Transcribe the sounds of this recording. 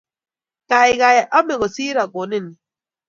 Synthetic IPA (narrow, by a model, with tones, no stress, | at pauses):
ka˨ɪ˨ɣa˨ja˨ʔɔ˦me˨ɣo˨si˦ɾa˨ɡo˨nɪ˦ni˨